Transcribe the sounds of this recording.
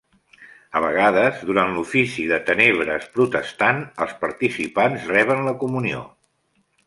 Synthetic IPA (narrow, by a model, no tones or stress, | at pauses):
əβ̞əɣaðəzðuɾant̪lufisiðət̪əneβ̞ɾəspɾut̪əst̪anəlˠspəɾt̪isipanzrɛβ̞ənləkumunio̰